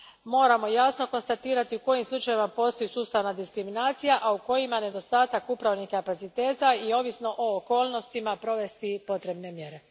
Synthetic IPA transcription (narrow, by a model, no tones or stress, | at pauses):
mo̞ːɾamo̞jasno̞ko̞nst̪at̪iːɾat̪iuko̞jimslˠut͡ʃajiimapo̞ːst̪o̞jisuːst̪aʋnad̪iskɾiminaːt̪sijaʔauko̞jimane̞d̪o̞st̪aːt̪akupɾaʋnihkapat̪sit̪e̞ːt̪aio̞ʋisno̞ʔoːko̞ːlˠno̞st̪imapɾo̞ʋe̞st̪ipo̞t̪ɾe̞bne̞mje̞ɾe̞